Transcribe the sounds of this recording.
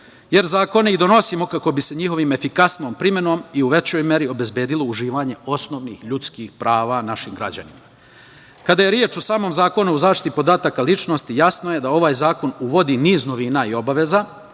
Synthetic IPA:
je̞ɾzaːko̞neid̪o̞no̞simo̞kako̞bise̞ɲixo̞ʋiːme̞fikasno̞ːmpɾime̞no̞miuʋe̞t͡ɕo̞jmje̞ɾio̞be̞zbje̞ːd̪ilo̞uʒiːʋaːɲe̞o̞sno̞ːʋniːxʎut̪skixpɾaːʋanaʃimɡɾa̰d͡ʑa̰nimaa | kad̪aje̞ɾjeːt͡ʃosaːmo̞ːmzaːko̞nuuzaːʃt̪it̪ipo̞d̪aːt̪akalit͡ʃno̞st̪ijasno̞je̞d̪ao̞ʋaːjzaːko̞nuʋo̞d̪iːniːzno̞ʋiːnaio̞baʋe̞za

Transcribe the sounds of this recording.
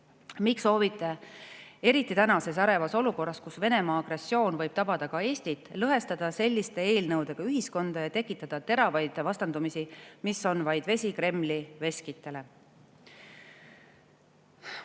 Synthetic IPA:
mikso̞ːvit̪ˑːe̞ | e̞ɾit̪ːˑit̪ænɑse̞sæɾe̞vɑso̞luko̞rːɑskusve̞ne̞mɑːɑɡ̥re̞sːjo̞ːnvɤ̞jb̥̚t̪ɑb̥ɑd̪̥ɑkɑe̞ːsʲt̪it̪ːˑlɤɦe̞st̪ɑd̪̥ɑse̞lʲːist̪e̞e̞ːlnɤwd̪̥e̞ɡ̥ɑyɦisko̞nd̪̥ɑjɑt̪e̞kːˑit̪ːˑɑd̪̥ɑt̪e̞ɾɑvɑjd̪vɑst̪ɑnd̪umisimiso̞nvɑjd̪̥ve̞sʲikɾe̞mːlive̞skit̪ːˑe̞le̞

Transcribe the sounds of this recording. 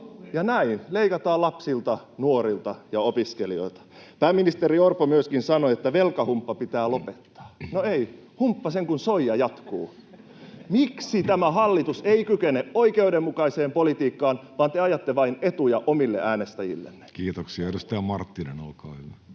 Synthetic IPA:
jɑnæinleikɑt̪ɑːlɑpsilt̪ɑnuoɾilt̪ɑjɑopiskelio̰ilt̪ɑ̥pæːmːinist̪eɾiorpːomyøskinsɑnoet̪ːæʋelkɑhumpːɑpit̪æːlopet̪ːɑ̥ːnoei | humpːɑseŋkunsoijɑjɑt̪kuː | miksit̪æmæhɑlːit̪useikykeneʔoikeudemːukɑiseːmpolit̪iːkːɑːnʋɑːnt̪eɑjɑt̪ːeʋɑinet̪ujɑʔomilːeʔæːnest̪æjḭlːḛnːe̥kiːt̪oksiɑrust̪æːmɑrt̪ːinenolkɑːhyʋæ

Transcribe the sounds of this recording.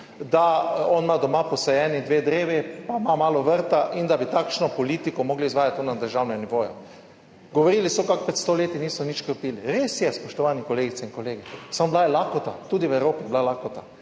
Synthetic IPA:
d̪aɔnmad̪ɔmapɔsɛjɛːnid̪ʋeːd̪ɾeːʋipamamaːlɔʋəɾt̪aʔind̪abit̪akʃnɔpɔliːt̪ikɔmɔɡliizʋaːjat̪ːonad̪əɾʒawnɛɡniʋoːja̰ | ɡoʋoɾiːlisɔkak̚pɾɛt̪st̪oleːt̪iniːsɔnit͡ʃkəpiːliɾesjɛspɔʃt̪ɔʋaːnikoleːɡit̪sɛinkoleːɡɛsamblajɛlakot̪a̰t̪uːd̪iʋɛwɾoːpiblalakot̪a

